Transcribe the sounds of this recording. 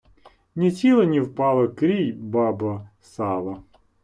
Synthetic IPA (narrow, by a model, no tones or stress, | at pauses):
nʲit͡sʲilˠɐnʲiwpɑlˠɐkɾʲijbɑbɐ | sɑlˠɐ